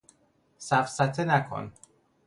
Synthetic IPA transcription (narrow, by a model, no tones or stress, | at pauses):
sæfsæt̪ʰenækʰo̰n